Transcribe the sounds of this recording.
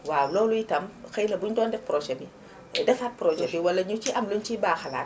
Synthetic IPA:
waːwlɔːlujitɐmxɐjlɐbuɲdɔːndɛfpɾoːʒɛbi | dɛfat̚pɾod͡ʒɛbiwɐlːɐɲut͡ʃiʔɐmlont͡ʃibaːxɐla̰ːt

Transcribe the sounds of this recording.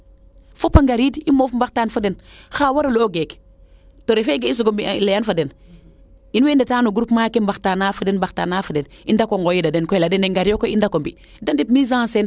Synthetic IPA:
fopaŋɡaɾiːdimoːfmbaxtaːnfadenxaːwaɾoloɡek | toɾefeɡeis̬uɡombilejanfaden | inweːndetaːnuɡuɾupmaːkembaxtanafadenbaxtanafaden | indakoŋɡojidadenkɔjladeneŋɡaɾiokoindakombi | dandipmizãsen

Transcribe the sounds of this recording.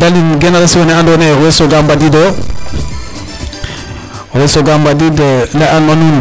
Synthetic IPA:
dalinɡɛnaɾasiwɔnɛandɔnɛɾwesoɡambadidɔ | wesoɡambadidɛlɛʔanwanun

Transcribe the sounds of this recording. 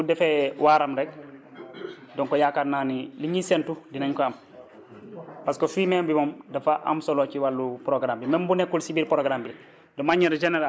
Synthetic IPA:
udɛfɛwaːɾamɾɛk̚ | dɔŋkɔjakadnaniliɲisɛntudinaɲkɔam | paskofimɛmbimɔmdɐfaʔa̰msɔlɔt͡ʃiwalːupɾɔɡɾambimɛmbunɛkːulsibiːɾpɾɔɡɾambil | dɔmaɲːɛɾd͡ʒɛnɛɾa

